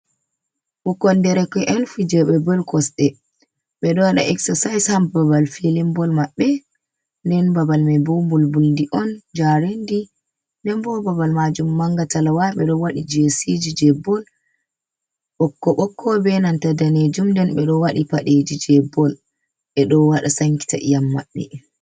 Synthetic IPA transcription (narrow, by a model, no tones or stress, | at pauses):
ɓɔkːɔndɛɾɛkɔʔɛnfud͡ʒɛɓɛbɔlkɔsɗɛ | ɓɛɗɔwaɗa̰ʔɛksasajshambabalfilimbɔlmaɓːɛ | ndɛnbabalmɛbɔbulbuldiʔɔnd͡ʒaɾendi | ndɛnbɔbabalmad͡ʒumːaŋɡatalawaɓɛɗɔwaɗid͡ʒesid͡ʒid͡ʒɛbːɔl | ɓɔkːɔɓɔkʰːɔbɛnantadaned͡ʒumndɛnɓɛɗɔwaɗipaɗed͡ʒid͡ʒɛbɔl | ɓɛɗɔwaɗasaŋki̥ta̰ʔḭjamːa̰ɓːɛ̰